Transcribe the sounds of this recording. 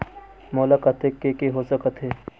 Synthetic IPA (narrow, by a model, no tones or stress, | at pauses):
moːlakɐt̪ekːekeɦoːsəkət̪ɦeː